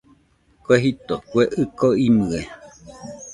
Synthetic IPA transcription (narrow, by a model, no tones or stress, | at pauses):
koeɦit̪okweʔɨkoimɨe